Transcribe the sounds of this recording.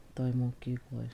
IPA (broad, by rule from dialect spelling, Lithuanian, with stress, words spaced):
toːj moːˈkʲiːklˠoːj